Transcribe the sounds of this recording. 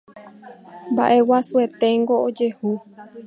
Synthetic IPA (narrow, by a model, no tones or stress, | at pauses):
mba̰ʔe̞wasue̞t̪e̞ŋɡo̞od͡ʒe̞hu